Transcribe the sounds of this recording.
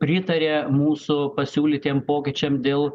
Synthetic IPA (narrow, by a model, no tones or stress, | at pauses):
pʲɾʲɪt̪ɐɾʲeːmuːsʊpɐsʲuːlʲit̪ʲeːmpoːkʲɪt͡ʃʲɛmd̪ʲeːlˠ